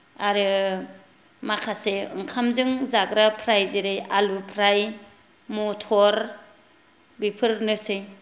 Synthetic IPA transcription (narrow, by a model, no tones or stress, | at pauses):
aɾɯ | makʰaseɯ̰ŋkʰamzɯŋzaɡɾapʰɾajzeɾɯjalupʰɾaj | mutʰɔɾ | bipʰɯɾnɯsɯj